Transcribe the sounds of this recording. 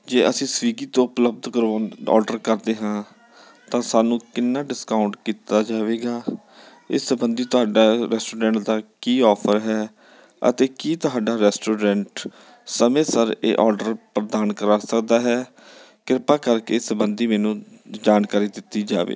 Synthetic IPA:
d͡ʒeːʔəsĩːsʋiːɡiːt̪õːʊpləb̚d̪kəɾʋaːɔ̰ːɾɖəɾkəɾd̪eːɦãː | t̪ãːsaːnũːkɪnːaːɖɪskaːʊɳʈkiːt̪aːd͡ʒaːʋeːɡaː | ɪsbənd̪iːt̪ʊɦaːɖaːɾɛːsʈoːɾɛ̃ːɳʈd̪aːkiːɔːpʰəɾɦɛː | ə̰t̪eːkiːt̪ʊɦaːɖaːɾɛːsʈoːɾɛ̃ːɳʈ | səmẽːsəɾḛːʔɔːɾɖəɾpɾəd̪aːnkəɾaːsəkd̪aːɦɛː | kɪɾpaːkəɾkeːsəbənd̪iːmɛːnũːd͡ʒaːnkaːɾiːd̪ɪt̪ːiːd͡ʒa̰ːʋḛː

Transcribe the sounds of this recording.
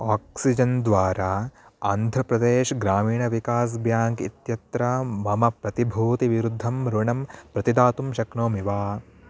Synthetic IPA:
aːksid͡ʒɐnd̪ʋaːɾaːaːnd̪ʱɾɐpɾɐd̪eːʃɐɡɾaːmiːɳɐʋikaːs̬bjaːŋɡḭt̪jɐt̪ɾamɐmɐpɾɐt̪ibʱuːt̪iʋiɾud̪ʱːɐmɾuɳɐmpɾɐt̪id̪aːt̪umʃɐkɳoːmiʋaː

